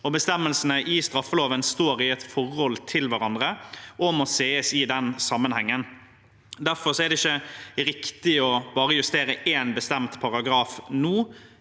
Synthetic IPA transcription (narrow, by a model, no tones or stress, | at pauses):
ɔbəst̪ɛmːəlsənəʔɪst̪ɾɑfːəloːʋənst̪oːɾɪɛt̪fɔɾhɔlt̪ʰɪlʋæɾɑnd̪ʁəʔɔmɔseːəsɪd̪ɛnsɑmːənhɛŋːən | d̪æɾfɔɾsɔɛd̪ɛɪçːəɾɪkt̪ɪɔbɑːɾəjʉst̪eːɾəʔeːnbəst̪ɛmt̪pʰɑɾɑɡɾɑːfnuː